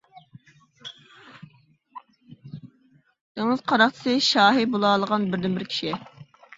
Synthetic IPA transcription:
d̪̥ɪŋəz̥qʰɑɾɑχt͡ʃʰɪ̥sɨʃɑːɦibolˠɑːlˠəʁɑnbɪɾd̪ɪnbɪɾkʲʰi̥ʃi

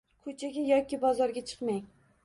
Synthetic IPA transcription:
kʰɵt͡ʃʰaɡʲajɒkʲʰibɒzɒɾɡʲat͡ʃʰɨ̥qmaŋ

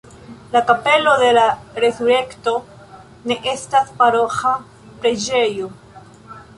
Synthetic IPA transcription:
lakape̞lo̞de̞laɾe̞suɾe̞kto̞ | ne̞ʔe̞staspaɾo̞xa | pɾe̞d͡ʒe̞jo

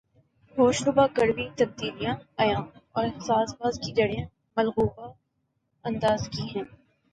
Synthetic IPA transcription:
ɦoːʃɾʊbakɐɾbit̪ɐb̚d̪iːlijãɐjãːnɔːɾsaːsbaːzkid͡ʒɐɽjã | mɐlɣuːba | ɐ̃nd̪aːzkiɦɛ̃ː

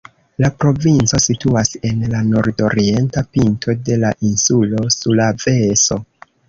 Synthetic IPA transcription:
lapɾo̞vint͡so̞situase̞nlano̞ɾdo̞ɾie̞ntapintʰo̞de̞laʔinsulo̞sulave̞so̞

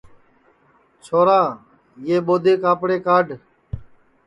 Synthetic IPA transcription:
t͡ʃʰoːɾaː | jeːɓoːd̪eːkaːpɽeːkaːɖ

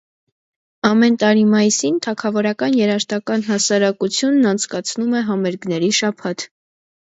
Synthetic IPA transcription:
ɑmɛnt̪ɑɾimɑjisint̪ʰɑkʰɑvɔɾɑkɑnjɛɾɑʃt̪ɑkɑn̪ɦɑsɑɾɑkut͡sʰjunːɑnt͡sʰkɑt͡sʰnumɛɦɑmɛɾɡnɛɾiʃɑpʰɑt̪ʰ

